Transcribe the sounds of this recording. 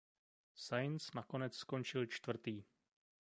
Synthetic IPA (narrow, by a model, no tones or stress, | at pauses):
sajnsnako̞nɛt͡ssko̞nt͡ʃɪlt͡ʃt̪vr̩t̪iː